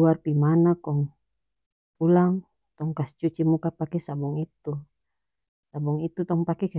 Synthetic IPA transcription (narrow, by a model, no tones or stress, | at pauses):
uarpimanakɔŋ | pulaŋ | t̪ɔŋkast͡ʃut͡ʃimukapakɛsabuŋit̪u | sabuŋit̪ut̪ɔŋpakɛka